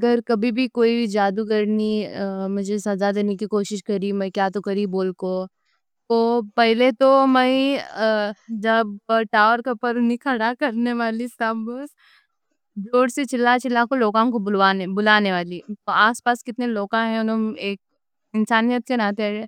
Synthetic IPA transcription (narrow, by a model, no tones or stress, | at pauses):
ɐɡəɾkɐbʱibʱikoːid͡ʒaːd̪ukɐɾnimʊd͡ʒʱesɐzad̪eːnekikoːʃɪʃkɐɾimɛ̃kjaːt̪okɐɾiboːlko | t̪oːpɛɦlet̪omɛ̃i | d͡ʒɐbʈaːʋəɾkɐpəɾnikʰəɽakɐɾneʋaːlisɐb | d͡ʒoːɽset͡ʃɪlat͡ʃɪlːakoloːkãkobʊlʋaːnebʊlaːneʋaːlit̪oaːspaːskɪt̪neloːkãɦɛ̃ɔɾɐmeːk̚ | ɪnsaːnijət̪̚kenãːt̪eɾẽː